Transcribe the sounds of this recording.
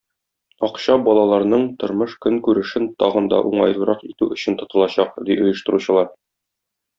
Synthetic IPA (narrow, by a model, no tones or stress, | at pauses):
ɒqɕɑbɒlˠɑlˠɑɾnɤɴt̪ŏɾmɤʃkɵŋkʉɾɘ̆ʃɘnt̪ɒʁɤ̆nd̪ɑ̰ʔuɴɑjl̆ˠɾɑqit̪ʉɵ̆ɕɘ̆nt̪ŏt̪ɤ̆lˠɑɕɑqd̪iʔŏjɤ̆ʃt̪ɤ̆ɾuɕɤ̆lˠɑɾ